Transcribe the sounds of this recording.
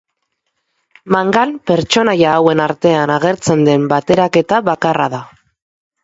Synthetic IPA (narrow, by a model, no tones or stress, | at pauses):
maŋɡalpe̞ɾt͡ʃo̞najaːwe̞naɾt̪e̞anaɣ̞e̞ɾt͡se̞nd̪e̞mbat̪e̞ɾake̞t̪aβakaraða